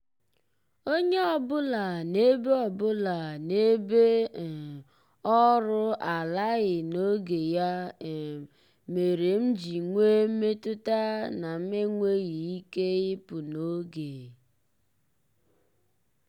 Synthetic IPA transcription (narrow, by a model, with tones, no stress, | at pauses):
o˦ɲe˦ɔ˨bʊ˦la˨ne˦be˦ɔ˨bʊ˦la˨ne˦be˦˨ | ɔ˦ɾʊ˦a˨la˦ɣɪ˨no˦ɡe˨ja˦˨ | me˨ɾe˨m̩˦d͡ʒi˨ŋʷe˦m̩˦me˦tʊ˦ta˦na˨m̩˦me˦ŋʷe˦ɣi˨i˦ke˦ɣɪ˦pʊ˨no˦ɡe˨